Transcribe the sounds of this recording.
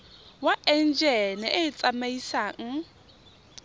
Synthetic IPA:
waʔɛn̩d͡ʒɛnɪʔɪt͡sʼamaisaːŋ̩

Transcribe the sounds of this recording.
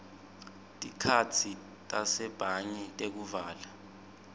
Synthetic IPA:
tʼikʰat͡sʰi | tʼasɛb̥ʱaɲitʼek̬uvaːla

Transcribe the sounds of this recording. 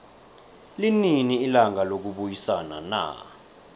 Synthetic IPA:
lininiːlaŋalok̬uɓujisana̰na̰

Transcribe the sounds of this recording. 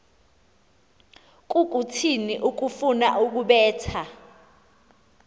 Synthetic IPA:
k̬ʼuk̬ʼutʰiniʔuk̬ufunaʔuk̬uɓɛːtʰa

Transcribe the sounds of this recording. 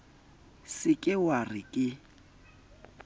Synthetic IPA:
sɪkʼɪwarɪkʼɪ

